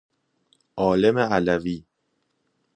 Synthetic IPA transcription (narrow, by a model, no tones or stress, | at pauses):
ʔɒːle̞meælæviː